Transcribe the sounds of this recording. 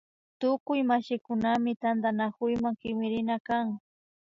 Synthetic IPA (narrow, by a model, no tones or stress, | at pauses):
t̪ʊkʊjmaʃɪkʊnamɪt̪and̪anakʊjmaŋkɪmɪɾɪnakaŋ